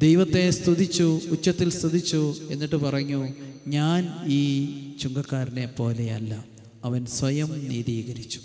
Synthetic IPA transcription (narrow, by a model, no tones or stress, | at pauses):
d̪ejʋɐt̪ːe̞st̪iðit͡ɕːuːt͡ɕːɐt̪ːilst̪id̪it͡ɕːue̞nːiʈːɨpɐrɐɲːuɲaːniːt͡ɕuŋɡɐkːaːɾine̞po̞ːle̞ɐ̰lːɐ | ɐʋɐnsʋɐjɐmniːd̪iːɣɐɾit͡ɕːu̥